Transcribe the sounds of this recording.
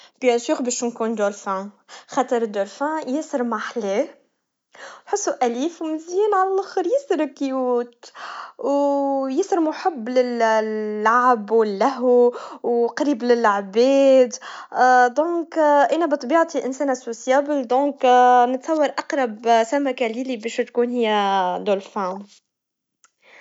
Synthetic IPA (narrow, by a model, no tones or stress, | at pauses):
b̥jæsuːɣbɛʃunkuːnd̪olfã | xɑt̪ˤɑɾˤd̪olfãjɪsəɾmaħlɛː | jħʊsːuʔæliːfwmɪzjiːnʕalælaxəɾjɪsəɾkːjuːt̪wjɪsəɾmʊħabːlɪlː | aʕbwɪlːæɦuwqɑɾiːblɪlaʕbɛːd̪ | d̪ɔ̃ːkʔænæbɨt̪ˤbiːʕt̪iʔɪnsɛːnʔasːosjaːbəld̪ɔ̃ːknɪt̪sˤɑwːɑɾˤʔɑqɾˤɑbsæmakæliːlibɛːʃt̪kuːnhɪjːæd̪olfam